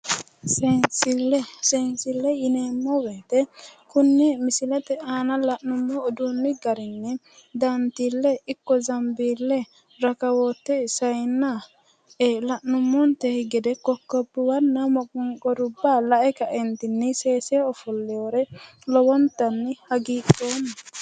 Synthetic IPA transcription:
sɛnsɪlːɛsensɪlːɛjɪneːmːɔwet̪ɛkʊnːɛmɪsɪlɐt̪ɛʔaːnɐlɐʔnʊmːɔːd̪unːɪɡɐɾɪnːɛ | d̪ɐnt̪ilːɛɪkːɔzɐmbiːlːɛ | ɾɐkɐwɔt̪ːɛsɐjnːa | lɐʔnʊmːɔnt̪ɛhɪɡɛd̪ɛkɔkːɔbːɪwɐnːɐmɔkʼʊŋkʼɔɾʊbːalɐʔɛkɐʔɛnt̪ɪnːɪseːsɛɔfɔlːɛjɔɾɛlɔwɔnt̪ɐnːɪhɐɡiːkːoːnːɐ

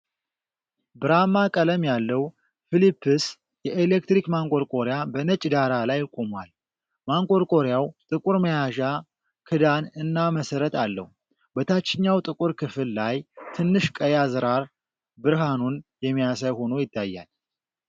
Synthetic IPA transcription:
bɨɾamakʼələmjalːəw | filipʰːɨs | jɛʔelek̚t̪ɾikmaŋkʼo̞ɾkʼo̞ɾjabənət͡ʃʼd̪aɾalajːkʼomwal | maŋkʼo̞ɾkʼoɾjawt̪ʼɨkʼuɾməjaʒa | kʰɨd̪anɨnːaməsəɾət̪ʰalːə̰hu | bət̪ʰat͡ʃːɪɲːawt̪ʼɨkʼuɾkʰɨfɨlːajt̪ʰɨnːɨʃkʼəjazɨɾaɾ | bɨɾɦanunjɛmːijasaβho̞no̞jɪt̪ʰːajːa̰l

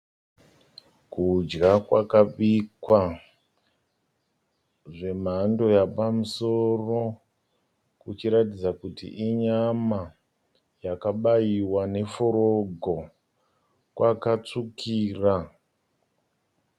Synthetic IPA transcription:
kud͡ʒɡakwakaɓikwa | ʐe̞m̤ando̞japamuso̞ro̞ | kut͡ʃiɾatid͡zakutḭʔiɲama | jakaɓajiwane̞foɾo̞ɡʱo̞ | kwʔakat͡sukʰiːra

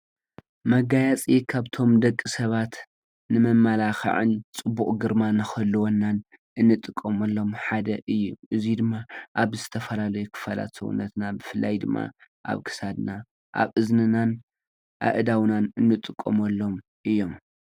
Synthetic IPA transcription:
mɐɡajat͡sʼikʰaβt̪ʰo̞md̪ɐkʼːisɐβat̪ | nɨmɐmːalaxɐ̰ʕɨ̰nt͡sʼɨbuʔʼɡɨɾmanɨxɐlːɨwonːan | ʔɨnːɨt̪ʼɨkʼːɐmɐlːo̞mħad̪ɐʔɨjːuʔɨzid̪ɨmːaʔaβzɨt̪ʰɐfɐlalɐjukʰɨ̥fɐla̰t̪sɐ̰wṵnːɐt̪nabɨfɨlʔa̰jd̪ɨmːa̰ | ʔa̰βkʰɨ̥sad̪na | ʔa̰βɨznɨnan | ʔa̰ʔɨd̪awnanɨnːɨt̪ʼɨkʼːomɐlːo̞m | ʔɨjːo̞m

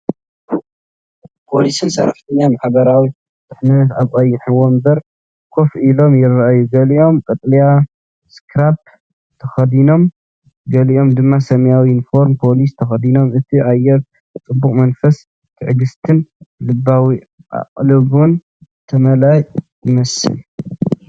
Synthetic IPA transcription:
pʰolisɨnsɐ̰ɾɐ̰ft̪ʰɨnːamaħbɐɾawi | t̪ʰʼɨħnɨt̪aβkʼɐjːɪħɨwombɐɾ | kʰo̞filo̞mjɪrɐʔajːuɡɐliʔo̞mkʼɐt̪ʼlija | skʰɾap̚ | t̪ʰɐxɐd̪ino̞m | ɡɐliʔo̞md̪ɨmːasɐmjawinfo̞ɾmpʰo̞list̪ʰɐxɐd̪ino̞mʔɨt̪ʰiʕajɛɾ | t͡sʼɨbːukʼmɐnfɐs | t̪ʰɨʕɨɡɨst̪ʰɨnlɨbːawi | ʔa̰qʼlɨβun | t̪ʰɐmɐlajjɪmɐsɨ̰l

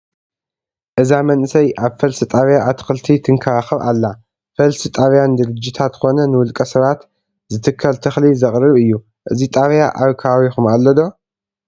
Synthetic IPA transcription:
ʔɨzamɐnsɐjʔaβfɐlsɨt̪ʼaβjaʔːt̪ʰɨ̥xɨlt̪ʰit̪ʰɨŋkʰɐɾaxɐβa̰lːa | fɐlsit̪ʼaβjand̪ɨɾɨd͡ʒːit̪ʰat̪kʰo̞nɐnɨwʊlkʼɐsɐβat̪ | zɨt̪ʰɨkʰːɐlt̪ʰɨxlizɐχʼɾɨβɨjːu | ʔɨzit̪ʼaβjaʔaβkʰaβawixumalːɐd̪o̞

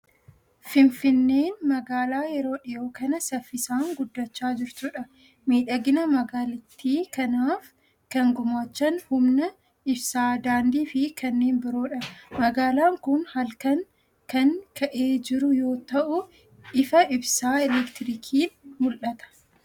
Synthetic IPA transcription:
fɪnfɪnːe̞ːnmɐɡaːlaːjɛɾo̞ːᶑɪjo̞ːkɐnɐsɐfːɪsaːŋɡʊd̪ːɐt͡ʃːaːd͡ʒɪɾt̪uːᶑɐ | miːᶑɐɡɪnɐmɐɡaːlɐt̪ːiːkɐnaːf | kɐŋɡʊmaːt͡ʃːɐnhʊmnɐ | ɪbsaːd̪aːnd̪iːfɪkɐnːe̞ːnbɪɾoːᶑɐmɐɡaːlaːŋkʊnhɐlkɐŋ | kɐŋkʰɐʔe̞ːd͡ʒɪɾʊjo̞ːt̪ɐʔʊ | ʔɪfɐɪbsaːɛlɛkt̪ɪɾiːkʰiːnmʊlʔɐt̪ɐ̥

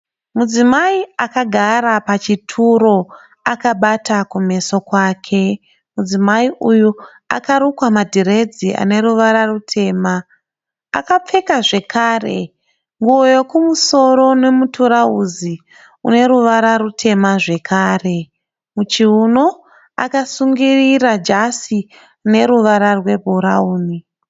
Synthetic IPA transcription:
mud͡zimaiakaɡʱaɾapat͡ʃitʰuɾo̞ | akaɓatakume̞so̞kwaːkʰe̞ | mud͡zimaiʔuju | a̰kaɾukwamadʱiɾe̞d͡ziʔa̰ne̞ɾuʋaɾarutʰe̞ːma̰ː | kap͡fe̞kaʐe̞kʰaːrḛ | ŋɡuojokumuso̞ɾo̞ne̞mutuɾauzi | une̞ɾuʋaɾaɾutʰe̞maʐe̞kʰaːre̞ | mut͡ʃiuno̞ | a̰kasuŋɡirirad͡ʒasi | ne̞ɾuʋaɾarwe̞bʱuɾauːni

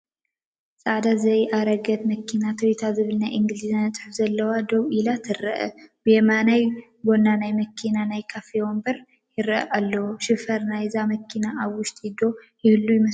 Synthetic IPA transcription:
sʼad̪azɐjʔaɾəɡət̪məkʰːinat̪ʰəwit̪ʰazɨβɨlnajʔɨŋɡlizant͡sʼħɨfzɐlːəwad̪oβʔilat̪ʰɨɾːəʔə̰bjɛmanaj | bonːanajməkʰːinanajkʰafewɔmbəɾ | jɪɾəʔʔalːəwʃɪfəɾnajzaməkʰːinaʔaβːʊʃt̪ʼjɪd̪o̞jɪhɨlːujɪmə

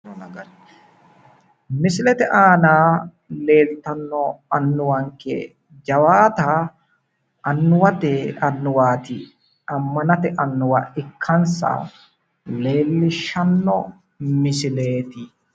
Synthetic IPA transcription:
mɪsɪlɛt̪ɛʔaːnaː | leːlt̪ɐnːɔɐnːʊwɐŋkɛ̰ | d͡ʒɐwaːt̪a | ʔɐnːʊwɐt̪ɛɐnːʊwaːt̪ɪ | ɐmːɐnɐt̪ɛʔɐnːʊwɐɪkʰːɐnsɐ̰ | le̞ːlːɪʃːɐnːɔ | mɪsɪleːt̪ɪ

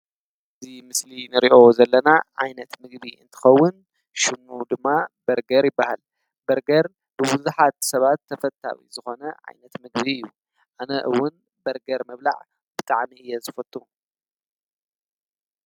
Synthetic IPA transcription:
ʔɨzimɨslinɨɾiʔo̞zɐlːɐnaʕa̰jnɐt̪mɨɡβiɨ̰nt̪ʰɨ̥xɐwːʊn | ʃɨmud̪ɨmːabɐɾɡɐɾjɪbːaha̰l | bɐɾɡɐɾ | bɨbuzuħat̪sɐβat̪ʰːɐfɐt̪ʰːa̰wḭzɨxo̞nɐʕa̰jnɐt̪mɨɡβiɨjːu | ʔanɐʔɨwːʊn | bɐɾɡɐɾmɐβla̰ʕ | b̥ɨt̪ʼaʕmiɨjːɛzɨfɐt̪ʼːu

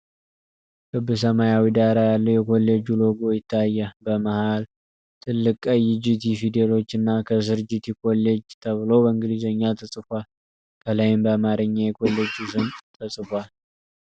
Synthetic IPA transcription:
kʰɨbːɨs̬əmajawid̪aɾajalːəwjɛkʰo̞lːed͡ʒulo̞ɡojɪt̪ʰːajːabəməhal | t̪ʰɨlːɨkʼəjɪd͡ʒɪt̪ifid̪elo̞t͡ʃːɨnːakʰəsɨɾɨd͡ʒɪt̪ʰikʰo̞lːed͡ʒt̪ʰəβɨlo̞bəɨŋɡɨlizəɲːat̪ʰəsʼɨfʷal | kʰəlajɪmbəamaɾɨɲːajɛkʰo̞lːed͡ʒus̬ɨnt̪ʰəsʼɨfʷal

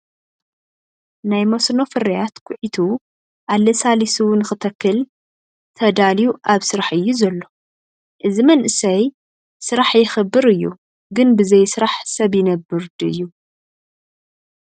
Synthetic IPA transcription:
najmosno̞fɨɾijat̪kʰʊʕit̪ʰu | ʔalːɐsalisuwnɨxɨt̪ʰɐkːɨl | t̪ʰɐd̪alijuʔaβsɨɾaħɨjːuzɐlːo̞ | ʔɨzimɐnʔɨsɐj | sɨɾaħjɪxɨbːɨɾɨjːṵ | ɡɨnbɨzɐjsɨɾaħsɐβjɪnɐbɨɾd̪ɨ̰jːu

